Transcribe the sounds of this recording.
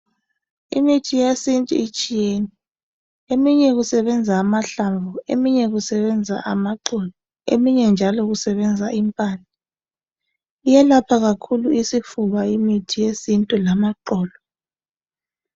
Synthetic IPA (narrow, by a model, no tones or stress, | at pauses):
ḭmitʰijesintʼṵit͡ʃʼijeni | emiɲɛɣusɛβɛnd͡zʱaːmaɬaɱvuḛmiɲɛɣusɛβɛnd͡zʱa̰ʔamaǃɔːlɔ | ḛmiɲɛnd͡ʒʱalɔɣusɛβɛnd͡zʱaimpʼaːna | ijɛlapʰaɣakʰuluisifuβaimitʰijesintʼulamaǃɔːlɔ